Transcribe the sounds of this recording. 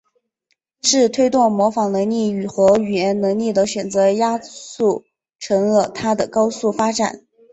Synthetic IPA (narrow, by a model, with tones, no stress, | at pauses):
ʂɻ̩˥˧t̪ʰwe˥ɪt̪wɔ˥˩ŋmwɔ˧˥fɑ˧˥ŋnɤ˧˥ŋli˥˩y˨˩xɤ˧˥y˨˩jɛ˧˥nnɤ˧˥ŋli˥˩d̪ə˩˦ɕɥɛ˨˩nt͡sɤ˧˥ja˥su˥˩ | ʈ͡ʂʰɤ˧˥ŋlə˧t̪ʰa˥d̪ə˨kɑ˥ʊsu˥˩fa˥ʈ͡ʂa̰˨˩˦n